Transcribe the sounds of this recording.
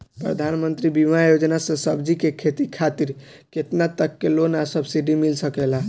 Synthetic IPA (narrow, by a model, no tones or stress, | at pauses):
pɾə̰d̪ʱanmənt̪ɾibimajod͡ʒnasə̃səbd͡ʒikekʰet̪ikʰat̪iɾ | ket̪nat̪əkːelonasəbsiɖimilsəkɛla